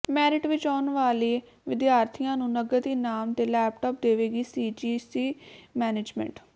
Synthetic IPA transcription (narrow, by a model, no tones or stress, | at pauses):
mɛːɾɪʈʋɪt͡ʃɔːnʋaːliː | ʋɪd̪jaːɾt̪ʰijãːnũːnəɡət̪iːnaːmt̪eːlɛːpʈɔːp̚d̪eːʋeːɡiːsiːd͡ʒiːsiːmɛːneːd͡ʒmɛ̰̃ɳʈ